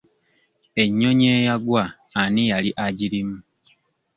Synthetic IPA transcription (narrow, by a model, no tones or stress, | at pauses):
e̞ɲːo̞ɲeːjaɡwaː | nijaliʔaɟiɾimu